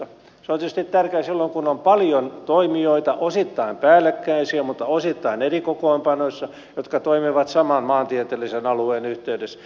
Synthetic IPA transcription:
seont̪iyst̪it̪t̪ærkeːsilːoŋkunompɑljont̪oimioit̪ɑʔosit̪ːɑimpæːlːˑekːæisiæmut̪ːɑosit̪ːɑinerikokoimpɑnosːɑ | jot̪kɑt̪oimiʋɑt̪sɑmɑnmɑːnt̪iet̪elːˑisenɑlueːnyht̪eydes

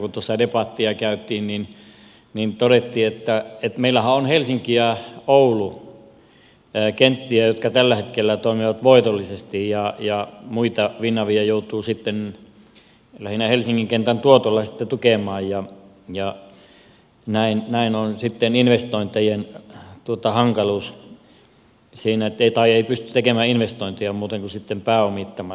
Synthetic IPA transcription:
kut̪osɑdepɑt̪ːiɑkæyt̪ːˑiːnnin | nint̪oɾet̪ːiːet̪ːæet̪meilːæhæonhelsiŋkiæoulu | kent̪ːiæjot̪kɑt̪ælːæhet̪kelːæt̪oˑimiʋɑt̪ʋoit̪olːisest̪ijjɑjɑmuit̪ɑʋinːɑʋiɑjout̪uːsit̪ːen | læhinæhelsiŋːiŋkent̪ænt̪uot̪olːɑsit̪ːet̪ukeˑmɑːjjɑ | jɑ | næinnæinonsit̪ːeninʋest̪oˑint̪ejent̪uot̪ɑhɑŋkɑluːs | siːnæet̪ːeit̪ɑieipyst̪y̥t̪ekemæːinʋest̪oint̪iɑmuːt̪eŋkusit̪ːempæːomit̪ːɑmɑ

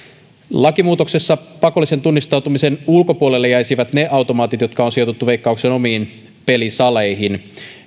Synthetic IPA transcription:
lɑkimuːt̪o̞kse̞sːɑpɑko̞lːˑise̞nt̪unːist̪ɑwt̪umise̞nulko̞puolelːejæjsiʋæt̪ne̞ʔɑwt̪o̞mɑːt̪it̪jo̞t̪kɑonsiot̪ut̪ːuʋe̞ijkːɑukseːno̞miːn | pe̞lisɑle̞jɦin

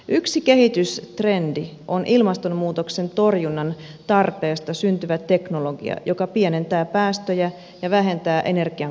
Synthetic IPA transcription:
ʔyksikeɦit̪yst̪re̞ndi | o̞nʔilmɑst̪o̞mmuːt̪o̞kse̞nt̪o̞rjunːɑn | t̪ɑrpe̞ːst̪ɑsynt̪yʋæt̪e̞kno̞lo̞ɡḭɑ̰jo̞kɑpiene̞nt̪æːpæːst̪øjæ | jɑʋæɦe̞nt̪æːʔe̞ne̞rɡ̥iɑ

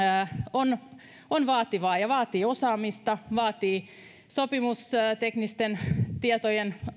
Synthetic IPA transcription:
on | onʋɑːt̪iʋɑːjɑʋɑːt̪iːosɑːmist̪ɑʋɑːt̪iː | sopimusːt̪eknist̪ent̪iet̪ojen

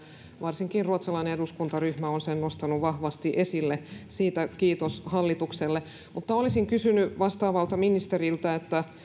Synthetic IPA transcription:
ʋɑrsiŋkirruot̪sɑlɑineeduskunt̪ɑryhmæonsennost̪ɑnuʋɑhʋɑst̪iʔesilːesiːt̪ækiːt̪oshɑlːit̪ukselːe | mut̪ːɑolisiŋkysynyʋɑst̪ɑːʋɑlt̪ɑminist̪eɾilt̪æet̪ːæ

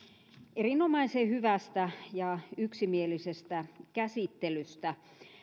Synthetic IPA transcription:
ʔerinomɑisehyʋæst̪æjɑyksimielisest̪ækæsit̪ːelyst̪æ

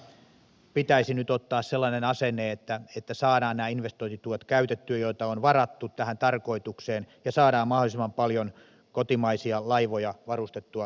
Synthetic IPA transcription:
pit̪æisinyt̪ot̪ːɑːsselːɑnenɑseneːet̪ːæet̪ːæsɑːɾɑːnnæːinʋest̪oint̪it̪uɑt̪kæyt̪et̪ːyøjoit̪ɑonʋɑrɑt̪ːut̪t̪æhænt̪ɑrkoit̪ukseːnjɑsɑːdɑːmmɑholisemːɑmpɑljon | kot̪imɑisiɑlɑiʋojɑʋɑrust̪et̪ːuɑ

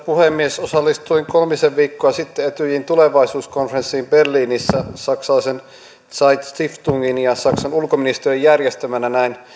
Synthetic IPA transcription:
puhemːiesosɑlːist̪uiŋkolmiseʋʋiːkːoɑsit̪ːeet̪yjint̪uleʋɑisuːskonfrensːiːmberliːnisːæsɑksɑlɑisen | sɑit̪st̪ift̪uŋɡinjɑsɑksɑnulkominist̪erijjærjest̪ømænænæin

